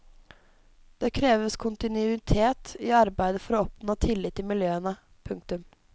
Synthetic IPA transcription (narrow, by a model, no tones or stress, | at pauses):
d̪̥eːkʰɾeːʋəskʰʊnt̪ɪnʉɪt̪ʰeːt̪ɪɑɾbæɪd̪əfɔɾoːɔpnoːt̪ʰɪlːɪt̪ːɪmɪljøːənə | pʰʉŋk̚t̪ʉm